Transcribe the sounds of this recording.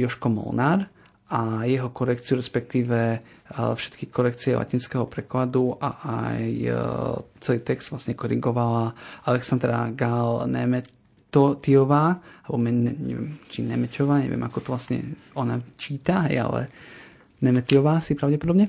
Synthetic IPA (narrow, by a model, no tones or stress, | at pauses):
jɔʃkɔmɔ̰lnaɾ | ʔajɛɦɔkɔɾɛk̚t͡siɪuɾɛspɛk̚t̪iːʋɛ | fʃɛ̥t̪kikɔɾɛkt͡siɛlʔa̰cinskɛɦɔpɾɛklad̪uʔa̰aj | t͡sɛliːt̪ɛkszd̪ʋla̰sɲɛkɔɾiɡɔʋalaalɛksand̪ɾa̰ɡalnɛ̰mɛ | ɔt̪iɔʋaːalɛbɔmɛnɛɲɛ̰ʋɛmt͡ʃinɛmɛcɔʋaːɲɛ̰ʋɪɛ̰makɔt̪ɔʋlasɲɛ̰ | ɔnat͡ʃiːt̪aɦɛ̰ja̰lɛ̰ | nɛmɛt̪iɔʋaːsipɾaʊɟɛpɔd̪ɔbɲɛ